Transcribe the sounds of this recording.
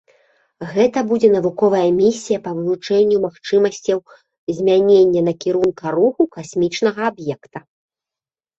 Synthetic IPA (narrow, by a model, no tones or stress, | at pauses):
ɣɛt̪ɐbud͡zʲɛn̪ɐvukɔvɐjɐmʲisʲijɐpɐvɨvˠut͡ʂɛnʲːumaxt͡ʂɨmɐsʲt͡sʲɐw | zʲmʲanʲenʲːɐnɐkʲiɾunkɐɾuxukasʲmʲit͡ʂnɐɣɐabjɛkt̪ɐ